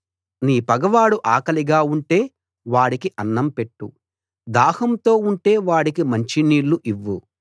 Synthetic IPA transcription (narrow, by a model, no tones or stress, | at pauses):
niːpɐɡɐʋaːɽuʔaːkɐliɡaːuɳʈe̞ː | ʋaːɽikiʔɐnːɐmpe̞ʈːu | d̪aːhɐmt̪o̞ːuɳʈe̞ːʋaːɽikimɐɲt͡ʃiniːɭːuʔiʋːu